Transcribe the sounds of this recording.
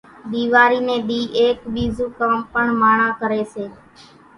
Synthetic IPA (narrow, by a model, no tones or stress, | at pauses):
ɗ̪iːʋaːɾiːnẽːɗ̪iːʔeːkɓiːzũːkaːmpəɳmaːɳaːkəɾeːseː